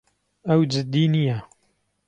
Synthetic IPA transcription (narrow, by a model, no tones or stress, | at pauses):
ɐwd͡ʒɪd̪ːinijɛ